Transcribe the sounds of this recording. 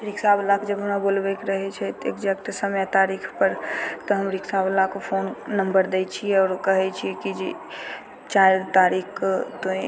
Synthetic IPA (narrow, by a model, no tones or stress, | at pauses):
ɾiksablakd͡ʒəbʱɦəmɾabolbɛkeɾəɦɛt͡ʃʰɛt̪ḛkd͡ʒɛk̚ʈsəmjat̪aɾikʰpəɾt̪ɔɦəmɾiksablakopʰonnəmbəɾd̪ɛt͡ʃʰiɛɔːɾkəɦɛt͡ʃʰiɛkid͡ʒi | t͡ʃaɪɾt̪aɾikʰt̪oĩ